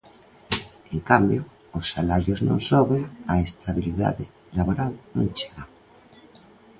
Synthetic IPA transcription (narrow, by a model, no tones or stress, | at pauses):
eŋkambjo | osːalaɾjoznõ̰ŋsoβeaest̪ʰaβiliða̰ðe | laβoɾalnõŋt͡ʃeɣa